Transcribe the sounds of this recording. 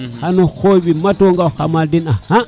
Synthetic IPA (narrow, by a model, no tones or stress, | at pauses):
hanoxobimatoŋɡawhamaldinaha